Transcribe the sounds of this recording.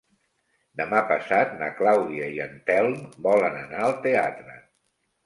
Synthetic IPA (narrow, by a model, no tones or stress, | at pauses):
d̪əmapəsat̪̚nə̰klawðiəiənt̪ɛlˠmbɔlənənaəlˠt̪eat̪ɾə